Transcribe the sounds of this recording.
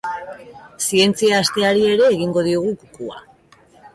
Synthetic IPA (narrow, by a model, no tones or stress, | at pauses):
sie̞nt͡siaːst̪e̞aɾie̞ɾe̞ːɣiŋɡo̞ð̞ioɣ̞ukukua̰